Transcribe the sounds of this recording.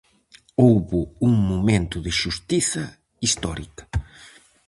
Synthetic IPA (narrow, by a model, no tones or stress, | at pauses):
owβʊuŋmomẽnt̪ʊðɪʃust̪iθɐ | ist̪ɔɾikɐ̥